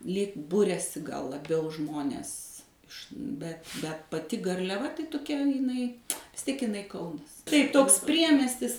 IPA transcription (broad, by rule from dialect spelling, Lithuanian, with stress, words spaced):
lʲiːk ˈbʊrʲɛsʲɪ ɡɐlˠ lˠɐˈbʲɛʊ ˈʒmoːnʲeːs ɪʃ ˈbʲɛt bʲɛt pɐˈtʲɪ ɡɐrʲlʲɛˈʋɐ tɐɪ toːˈkʲɛ ɪˈnɐɪ ʋʲɪs ˈtʲiɛk ɪˈnɐɪ ˈkɐʊnɐs tɐɪp ˈtoːks ˈpʲrʲiɛmʲɛsʲtʲɪs